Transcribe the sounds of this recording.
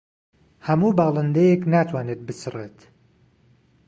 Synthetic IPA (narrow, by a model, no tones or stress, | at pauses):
hɐmuːbɑːlˠɨnd̪ɛjeknaːt̪ʰwaːnet̪̚bɨsɨreːt̪